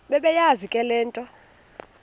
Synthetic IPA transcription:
ɓɛɓɛjazikʼɛlɛːntʼɔ

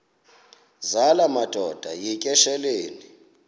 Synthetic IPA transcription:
zalamad̥ʱɔd̥ʱajikʼɛʃɛleːni

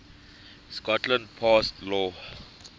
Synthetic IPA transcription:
skɔtlãnd̚pʰɔstlɔ

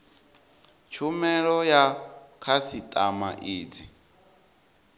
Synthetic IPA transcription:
t͡ʃʰumɛɺɔjakʰasit̪ʼamaʔiːd͡zi

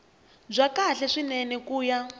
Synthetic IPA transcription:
b͡ʐʷakaɬɛʂinɛnɛkuːja

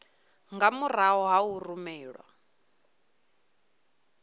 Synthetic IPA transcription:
ŋɡamuraɦɔɦaurumɛːɺwa̰

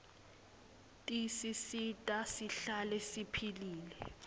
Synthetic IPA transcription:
tʼisisitʼasiɬalɛsipʰiliːlɛ̰

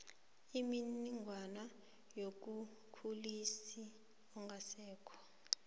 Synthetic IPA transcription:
iminiŋɡʱwana | jok̬u | kʰulisi | ɔŋɡʱasɛːkʰɔ̥

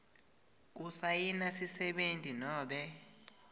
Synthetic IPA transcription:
k̬usajinasisɛɓentʼinɔːɓɛ

